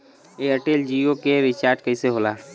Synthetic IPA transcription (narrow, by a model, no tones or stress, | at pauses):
eəʈeːld͡ʒiokeɾɪt͡ʃaːɾʈkəiseɦoːlaː